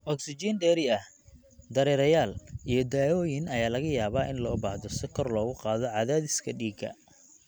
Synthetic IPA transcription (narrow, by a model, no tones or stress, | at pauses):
ʔɔksɪd͡ʒinɖɛːɾɪɐh | d̪ɐɾɛːɾɐjaːlijɞd̪aːɔːjɪnɐjaːlɐɣɐjaːβaːʔɪnlɔːbaːhðɔsɪkʰɔrlɔːɣʊqɑːðɔʕɑðaːðɪskʰɐɖiːɡɐ̰